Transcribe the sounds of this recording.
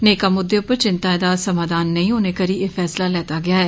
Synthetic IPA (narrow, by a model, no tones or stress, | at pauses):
neːkaːmʊd̪ːeʊpːəɾt͡ʃɪnt̪aːɪd̪aːsəmaːd̪aːnːəĩːɦoːneːkəɾiːeːfʰɛːslaːlɛːt̪aːɡɪaːɦɛː